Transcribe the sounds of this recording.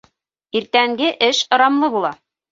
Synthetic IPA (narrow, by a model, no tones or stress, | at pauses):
iɾt̪æŋɡɘʔɘʃŏɾɑmlˠɤbulˠɑ